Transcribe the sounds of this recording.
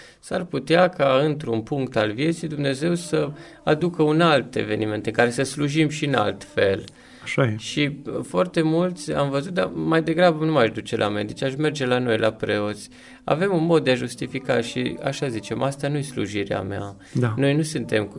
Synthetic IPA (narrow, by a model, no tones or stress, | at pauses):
sarput̪eakʰaɨnt̪ɾunpuŋk̚t̪alvje̞t̪sijd̪umne̞ze̞wsə | ad̪ukəunalt̪e̞̰ve̞nime̞nt̪eɨŋkaɾe̞səsluʒimʃiɨna̰lt̪fe̞l | aʃaʃifoart̪e̞mult̪sʲa̰mvəzut̪̚d̪a̰majd̪e̞ɡɾabənumaʃd̪ut͡ʃe̞lʔa̰mḛd̪it͡ʃaʃme̞rd͡ʒe̞lano̞jlapɾe̞o̞t̪sʲ | a̰ve̞munmo̞d̪̚ːeaʒust̪ifika̰ʃḭa̰ʃazit͡ʃe̞mʔast̪anuje̞slṵʒiɾḛa̰mea̰ | d̪ano̞jnusɨnt̪e̞m